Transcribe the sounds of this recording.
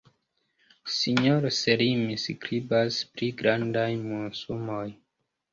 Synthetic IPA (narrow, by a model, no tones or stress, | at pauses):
siɲoɾseɾimiskɾibaspɾiɡɾandajmunsumoj